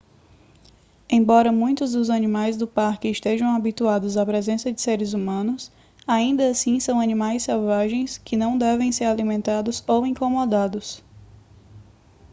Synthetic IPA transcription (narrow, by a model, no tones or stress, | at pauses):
ẽj̃bɔɾɐmũj̃t̪ʊzd̪ʊzɐnĩmajzd̪ʊpaɾkɪːʃt̪eʒɐ̃w̃abit̪uad̪ʊzapɾɛzẽsɐd͡ʒɪseɾɪzumɐ̃nʊs | aĩnd̪ɐsĩsɐ̃w̃ɐnĩmajsːɛwvaʒẽj̃skɪnɐ̃w̃d̪ɛvẽj̃seɾalimẽnt̪ad̪ʊzowĩkomɔd̪ad̪ʊs